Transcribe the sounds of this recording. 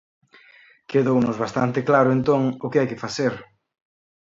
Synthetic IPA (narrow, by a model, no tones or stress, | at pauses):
keðownʊzβast̪ant̪ɪklaɾʊent̪oŋʊkɪajkɪfaseɾ